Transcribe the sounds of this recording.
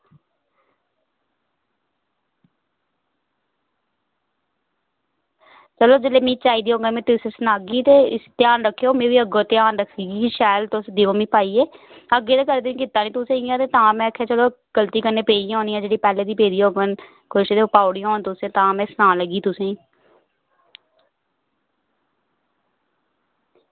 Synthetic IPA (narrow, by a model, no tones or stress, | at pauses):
t͡ʃəloːd͡ʒɪleːmĩːt͡ʃaːiːd̪iːɦoːɡəmẽːt̪ʊsẽsnaːɡiːt̪eːt̪jaːnɾəkʰːejoːmẽːʋiːəɡoːt̪ɪjaːnɾəkʰːiːɡiːʃɛːlt̪ʊsd̪iːʋoːmĩːpaːiːeː | əɡːeːt̪eːkəɾd̪eːĩːkɪt̪ːaːniːt̪ʊsẽːiãːt̪eːt̪ãːmɛ̃ːəkʰːeːt͡ʃəloː | ɡ̥əlt̪iːkənːeːpeːijãoːniːãːd͡ʒeːɽiːpɛːleːd̪iːpeːd̪iːɦoːɡən | kʊʃeːt̪epaːʊɽĩj̃oːnt̪ʊsẽːt̪ãːmɛ̃ːsənaːləɡiːt̪ʊsẽːĩː